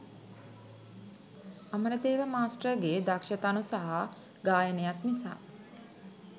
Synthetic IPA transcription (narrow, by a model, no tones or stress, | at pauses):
aməɾət̪eːʋəmaːsʈəɡeːd̪akʃət̪anusaɦa | ɡaːjənejat̪nisa̰ː